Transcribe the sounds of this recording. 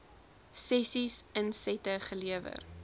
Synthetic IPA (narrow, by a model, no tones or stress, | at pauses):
sɛsisənsɛtəχəliəvə̰r